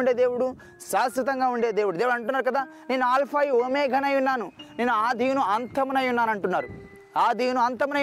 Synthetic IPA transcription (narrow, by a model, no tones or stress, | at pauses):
ɳɖe̞ːd̪e̞ːwuɽu | ʃaːsɾɐt̪̬ɐŋɡaːuɳɖeːd̪eːwuɽud̪eːwɽɐɳʈunːaːɾukɐd̪aː | ne̞ːnuaːlpʰaːjioːmeːɡʱɐnɐjunːaːnune̞ːnuaːd̪ʱijunuɐnt̪ʰɐmunɐjunːaːnɐɳʈunːaːɾu | aːd̪ʱiːwunuɐnt̪ɐmɐnɐ